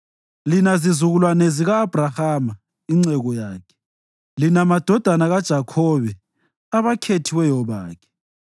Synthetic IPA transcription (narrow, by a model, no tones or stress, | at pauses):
linazizuɣulwaneziɣaːb̥ʱrahaːma | iŋ͡ǀɛɣɔjaːkʰɛ̥ | linamad̥ʱɔd̥ʱanaɣad̥ʒ̥ʱakʰɔβɛ | aβakʰetʰiwɛjɔβaːkʰɛ̥